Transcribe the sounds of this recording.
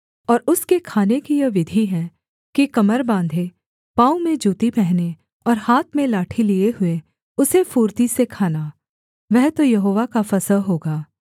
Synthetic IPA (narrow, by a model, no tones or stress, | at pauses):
ɔːɾʊskekʰaːnekijɐʋɪd̪ʱiɦɛ̃ | kikɐməɾbãːnd̪ʱe | pãːũmẽd͡ʒuːt̪ipɛɦne | ɔːɾhaːt̪ʰmẽlaːʈʰilieɦʊe | ʊsefuːɾt̪isekʰaːnaː | ʋɛɦt̪ojɐɦoːʋakafɐsəlɦoːɡaː